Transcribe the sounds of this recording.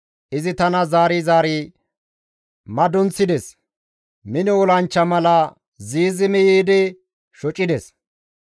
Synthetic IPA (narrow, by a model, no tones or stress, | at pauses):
ʔɪzɪt̪ɐnɐzaːɾizaːɾiː | mɐd̪ɔnsɪd̪ɛs | mɪnɪɔlɐnt͡ʃːɐmɐlɐ | ziːzɪmɪjiːd̪ɪ | ʃɔt͡ʃʼːɪd̪ɛs